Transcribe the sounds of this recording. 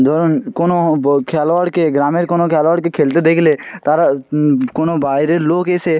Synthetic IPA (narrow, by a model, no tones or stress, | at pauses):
d̪oːɾonkoːnokʰaːlʋaːɽkeɡɾaːmeɾkoːnokʰaːlʋaːɽkekʰeːlt̪ed̪eːkʰlet̪aɾakoːnobaːɾeloːkese